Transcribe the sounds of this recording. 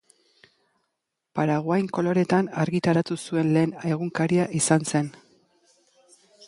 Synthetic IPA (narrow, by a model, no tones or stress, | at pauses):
paɾaɣwajŋko̞lo̞ɾe̞t̪anaɾɣit̪aɾat̪usue̞nle̞ːne̞ɣuŋkaɾiaʔisanse̞n